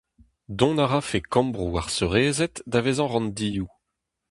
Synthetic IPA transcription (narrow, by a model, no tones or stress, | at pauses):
d̪ɔ̃naʁafekɑ̃mbʁuaʁsøʁeːzɛt̪davezɑ̃ʁɑ̃nd̪iːu